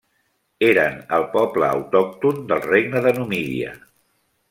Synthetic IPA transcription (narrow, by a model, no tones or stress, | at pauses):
eɾənəlˠpɔblə̰ːwt̪ɔk̚t̪und̪əlˠreɡ̚nəðənumiðḭə̰